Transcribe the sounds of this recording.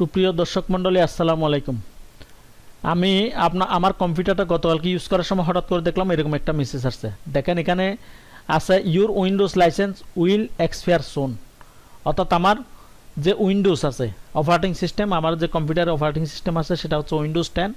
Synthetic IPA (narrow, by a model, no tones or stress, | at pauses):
supɾijod̪ɔɾʃɔkmɔɳɖoliasːalamalajkum | a̰miapnaʔamaɾkɔmpjuʈaɾʈaɡɔt̪okalkijuskɔɾaɾʃɔmɔjɦɔʈat̪̚koɾed̪ekʰlameɾɔkɔmɛk̚ʈamisesaɾsed̪ɛkʰenekʰane | asʰejuɾuinɖuslajsensuilekspʰiaɾson | ɔɾt̪ʰat̪amaɾ | d͡ʑeʔuinɖusasʰeɔpʰaɾeʈiŋsisʈemamaɾd͡ʑekɔmpjuʈaɾɔpʰaɾeʈiŋsi̥sʈemasʰeʃeʈaɦot̪ːsʰeuinɖusʈɛn